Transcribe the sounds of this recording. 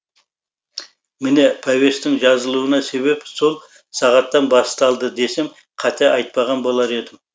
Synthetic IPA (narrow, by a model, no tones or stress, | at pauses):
mɪne̞pʰave̞st̪ɪŋʒɑzəlˠuənɑse̞βe̞pso̞lˠ | sɑʁɑt̪ːɑnbɑst̪ɑlˠd̪əd̪e̞se̞m | qʰɑt̪ʰeʔɑjt̪̚pɑʁɑnbo̞lˠɑɾe̞d̪ɪm